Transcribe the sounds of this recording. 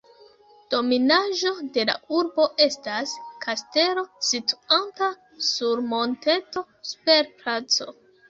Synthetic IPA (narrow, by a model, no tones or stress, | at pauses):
d̥o̞minaʒo̞de̞la̰uɾbo̞ʔe̞staskʰaste̞ɾo̞situ̥anta | suɾmo̞nte̞to̞ | su̥pe̞ɾpɾat͡so̞